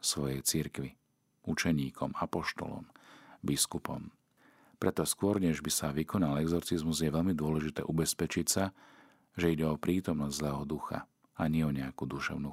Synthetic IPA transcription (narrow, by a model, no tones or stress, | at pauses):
sʋɔjɛjt͡siɾkʋi | ut͡ʃɛɲiːkʰɔmapɔʃt̪ɔ̰lɔ̰mbiskupɔ̰m | pɾɛt̪ɔskʊɔɾɲɛʒbisaʋikɔnalɛɡzɔɾt͡sizmuzjɛʋɛʎmid̪ʊɔlɛʒit̪ɛ̰ːʔubɛspɛt͡ʃicsa | ʒɛiɟɛɔpɾiːt̪ɔmnɔzzlɛːɦɔd̪uxa̰ | aɲɪɛɔɲɛakud̪uʃɛ̰ʊnu